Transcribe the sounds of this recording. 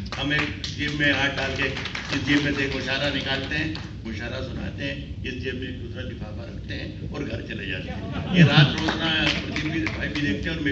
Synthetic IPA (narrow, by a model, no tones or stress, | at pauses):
ɦɐmeːkd͡ʒiːmːẽɾaːʈ̚ɖaːlkeɪsd͡ʒiːʋmẽseːkɡoʃaːɾanɪkaːlt̪eɦɛ̃ː | ɡoʃaːɾasʊna̰ːt̪eɦɛ̃ɪsd͡ʒimmẽk̚d̪ʊsɾad̪ɪfʰaːpaɾɐ̰k̚ʰt̪eɦɛ̰̃ːɔːɾɡʱɐ̰ɾt͡ʃɐlḛd͡ʒa̰ːt̪ejeɾaːt̪ɾoːznãpɾt̪ibʱibʱid̪eːk̚ʰt̪eɦɛɔːɾme